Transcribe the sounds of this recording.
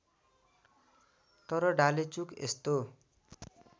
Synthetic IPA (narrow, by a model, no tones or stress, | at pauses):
t̪ʌɾʌɖalet͡sukḛst̪o